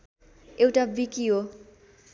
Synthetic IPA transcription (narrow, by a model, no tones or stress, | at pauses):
ewʈabikiɦo